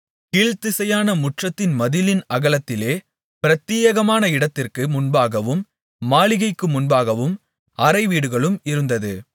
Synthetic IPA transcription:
kiːɻt̪ɪsɐjaːnɐmʊʈrɐt̪ːɪnmɐðɪlɪnɐɣɐɭɐt̪ːɪleː | pɪɾɐt̪ːiːjɐɣɐmaːnɐɪɽɐt̪ːɪrkɯmʊnbaːɣɐʋɯmː | aːɭɪɣɐɪkːɯmʊnbaːɣɐʋɯm | ɐɾɐɪʋiːɽɯɣɐɭɯmɪɾɯnd̪ɐðɯ

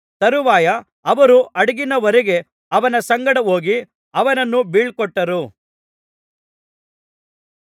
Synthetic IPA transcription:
t̪ɐɾuʋaːjɐ | ɐʋɐɾuʔɐɽɐɡinɐʋɐɾɛɡe̞ | ɐʋɐnɐsɐŋɡɐɽɐoːɡi | ɐʋɐnɐnːubiːɭkɔʈːɐɾu

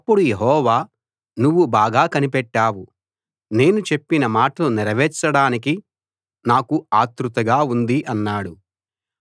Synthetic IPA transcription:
ɐpːuɽujeɦɔːʋaː | nuʋːubaːɡaːkɐnipɛʈːaːwu | ne̞ːnut͡ʃe̞pːinɐmaːʈɐlunɛɾɐʋɛːt͡ʃːɐɽaːnik̬i | naːkuaːt̪ɾut̪ɐɡaːund̪iʔɐnːaːɽu

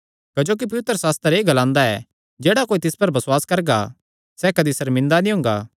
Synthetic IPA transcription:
kɐd͡ʒoːk̬ip̬ɐʋɪt̪ːɾəsaːst̪əɾeːɡɐlãːnd̪aɛ | d͡ʒeːɽakoːit̪ɪspɐɾbɐswaːskɐɾɡa̰ | sɛkɐd̪isɐɾmɪ̃nd̪anĩɦʊ̃ːŋɡa̰ː

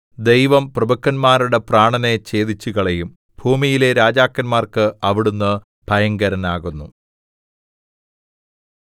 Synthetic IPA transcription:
d̪e̞jʋɐmprɐbɐkːɐnmaːɾuɽe̞praːɳɐne̞t͡ɕe̞ːd̪it͡ɕːuɣɐɭejum | bʱuːmijile̞ɾaːd͡ʑaːkːɐnmaːrkɨɐʋiɽunːɨ | bʱɐjɐŋɡɐɾɐnaːɣunːu

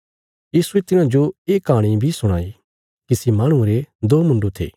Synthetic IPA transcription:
jiːsuet̪ɪnãd͡ʒoeːkaːɽ̃ibʱisʊɽ̃a̰ːi | kisemɐːɽ̃ũɾed̪oːmʊ̃ɳɖot̪ʰḛː

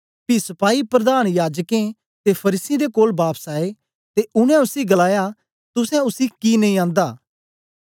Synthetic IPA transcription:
pisɐpaːipɾɐd̪aːñjaːd͡ʒkẽ | t̪epʰɐɾiːsĩd̪ekoːlbaːpsaːe | t̪eʊñɛ̃ʊsiɡəlaːja | t̪ʊsɛ̃ʊsikinɐ̃ĩãːnd̪aː

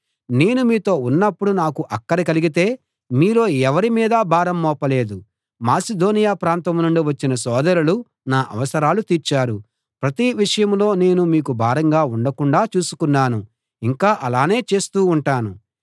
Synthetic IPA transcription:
ne̞ːnumiːt̪o̞ːunːɐpːuɽunaːkuʔɐkːɐɾikɐliɡit̪e̞ː | miːlo̞ːɛʋɐɾimiːd̪ɐbʱaːɾɐmːɔːpɐle̞ːd̪u | maːsid̪o̞ːnijaːpɾaːnt̪ɐmnuɳɖiʋɐt͡ʃːinɐsɔːd̪ɐɾulu | naːʔɐ̰ʋɐsɐɾaːlut̪iɾt͡ʃaːɾu | pɾɐt̪iʋiʂɐjɐmlo̞ːne̞ːnumiːkubʱaːɾɐŋɡaːuɳɖɐkuɳɖaːt͡ʃuːsu̥kunːaːnu | iŋkaːʔɐlaːne̞ːt͡ʃe̞ːst̪uːɳʈaːnu

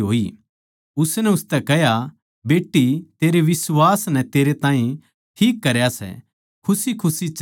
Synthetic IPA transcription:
ɦoːi | ʊsnɛʊst̪ɛkɛɦja | beːʈːit̪eːɾeʋɪswaːsnɛt̪eːɾet̪ãːĩ | ʈʰiːkːɐɾjasɛ̰ | kʰʊsikʰʊsit͡ʃ

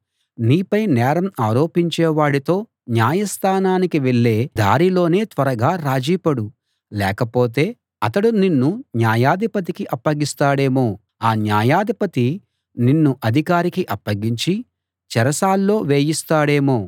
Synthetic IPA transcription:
niːpɐjnɛːɾɐmaːɾo̞ːpiɲt͡ʃɛːʋaːɽit̪o̞ː | njaːjɐst̪ʰaːnaːnikiʋeɭːe̞ːd̪a̰ːɾilo̞ːne̞ːt̪ʋɐɾɐɡaːɾaːd͡ʒiːpɐɽu | lɛːkɐpo̞ːt̪̬e̞ː | ɐt̪ɐɽuninːunjaːjaːd̪ʱipɐt̪̬ikiʔɐpːɐɡist̪aːɽe̞ːmu | aːnjaːjaːd̪ʱipɐt̪i | ninːuʔɐd̪ʱikaːɾikiʔɐpːɐɡiɲt͡ʃi | t͡ʃɛɾɐsaːlːo̞ːʋeːjist̪aːɽe̞ːmu

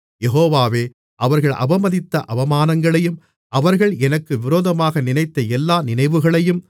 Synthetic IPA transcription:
jɛɦoːʋaːʋeː | ʔɐʋɐɾɣɐɭʔɐ̰bɐmɐðɪt̪ːɐʔɐʋɐmaːnɐŋɡɐɭɐjɯm | ʔɐʋɐɾɣɐɭɛnɐkːɯʋɪɾoːðɐmaːɣɐnɪnɐɪt̪ːɐɛlːaːnɪnɐɪʋɯɣɐɭɐjɯm

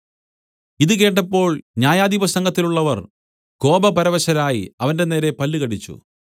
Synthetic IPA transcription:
iðɨk̬e̞ːʈ̬ːɐpːo̞ːɭɲaːjaːd̪ipɐsɐŋɡɐt̪ːiluɭːɐʋɐr | ko̞ːbɐpɐɾɐʋɐɕɐɾaːjiɐʋɐnde̞ne̞ːɾe̞pɐlːiɣɐɽit͡ɕːṵ

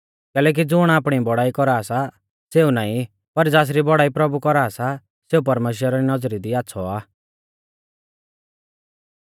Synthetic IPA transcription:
kɛːlɛːk̬id͡zʊɽ̃aːpɽ̃ibɔɽaːikɔɾaːsa | seːunaːĩ | pɐɾd͡zaːs̬ɾibɔɽaːipɾɐbukɔɾaːsa | seːup̬ɐɾmeːʃ̬wəɾaɾinɐd͡zɾid̪iaːtːsʰɔaː

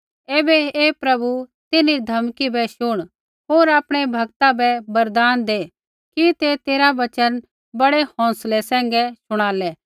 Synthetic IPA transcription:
eːbɛeːpɾɐbut̪ɪnid̪ʱɐmkibɛʃʊɽ̃ | ɦoːɾaːpɽ̃ebʱɐɡt̪ãbɛbɐɾd̪aːnd̪eː | kit̪et̪eːɾaʋɐt͡ʃən | bɐɽehɔ̃ːslesɛ̃ːŋɡɛsʊɽ̃aːlɛː

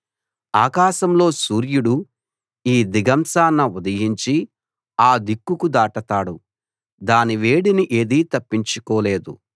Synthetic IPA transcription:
aːkaːʃɐmlo̞ːsuːɾjuɽu | iːd̪iɡɐmsaːnːɐud̪ɐjiɲt͡ʃi | aːd̪ikːukud̪aːʈɐt̪aːɽu | d̪aːniʋe̞ːɽiniʔe̞ːd̪iːt̪ɐpːiɲt͡ʃukɔːle̞ːd̪u

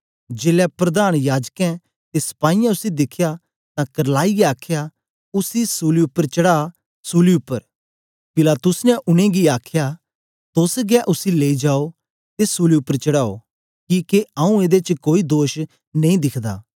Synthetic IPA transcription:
d͡ʒeːlɛpɾɐd̪aːñjaːd͡ʒkɛ̃ | t̪esɐ̥paːijãʊsid̪ɪkʰːja | t̪ãkɐɾlaːiɡɛaːkʰja | ʊsisuːliʊpːəɾt͡ʃɐɽaː | suːliʊpːəɾ | pɪlaːt̪ʊsnɛʔʊñẽɡiaːkʰja | t̪ʊsɡɛʔʊsileːid͡ʒaːo | t̪esuːliʊpːəɾt͡ʃɐɽaːo̰ | kiːkeaũeːd̪et͡ʃkoːid̪oːʃ | nɐĩd̪ɪkʰd̪a̰ː

